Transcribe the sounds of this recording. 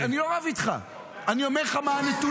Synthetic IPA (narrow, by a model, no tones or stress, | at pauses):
anioavit̪χa̰ | aniomeʁχamanit̪u